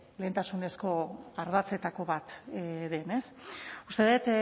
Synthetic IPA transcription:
leːnt̪asune̞sko̞aɾðat͡se̞t̪ako̞βat̪ðe̞ne̞sust̪e̞ðet̪

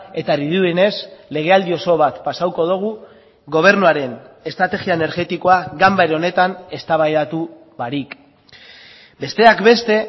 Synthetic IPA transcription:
e̞t̪ariðuene̞sle̞ɣ̞e̞ald̪io̞so̞βat̪pasawko̞ð̞uɣ̞u | ɣo̞β̞e̞ɾnuaɾe̞ne̞st̪ɾat̪e̞ɣiaene̞ɾɣe̞t̪iko̞aɡambaɾo̞ne̞t̪ane̞st̪aβajat̪u | βaɾik | be̞st̪e̞akbe̞st̪e̞

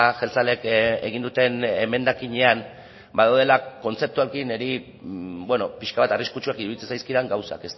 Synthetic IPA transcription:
xelt͡sale̞kḛɣind̪ut̪e̞neme̞nd̪akiɲe̞an | baðawðe̞lako̞nt͡se̞p̚t̪uaɾekineɾi | bwe̞no̞piʃkaβat̪ariskut͡ʃuakiɾuðit͡sensajskiðaŋɡawsa̰ke̞st̪

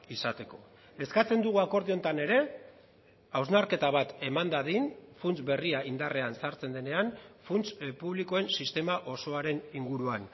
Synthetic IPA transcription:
isat̪e̞ko̞ | e̞skat͡se̞nd̪uɣ̞uako̞ɾðio̞nt̪ane̞ɾe̞ | awznaɾke̞t̪aβ̞at̪e̞mand̪aðinfunt͡sbe̞riaind̪are̞ansaɾt͡se̞nd̪e̞ne̞anfunt͡spuβliko̞e̞nsist̪e̞maʔo̞so̞aɾe̞niŋɡuɾuan

